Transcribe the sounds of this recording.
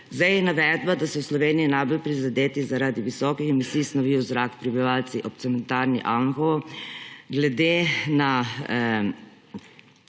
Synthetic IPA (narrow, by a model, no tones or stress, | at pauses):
zd̪ajɛnaʋɛːd̪bad̪asɔwslɔʋeːniinajbolpɾizad̪eːt̪izaɾaːd̪iʋisɔːkixɛmisiːsnɔʋiwzɾaːkpɾibiʋaːlsiʔɔpt̪sɛmɛnt̪aːɾnḭʔanxo | ɡlɛd̪ena